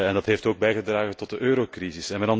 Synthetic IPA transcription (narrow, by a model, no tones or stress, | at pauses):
ɛndɑtɦeːftoːɡ̚bɛjɣədraːɣətɔt̚dəʔøːɾokrizɪsɛnmadɑn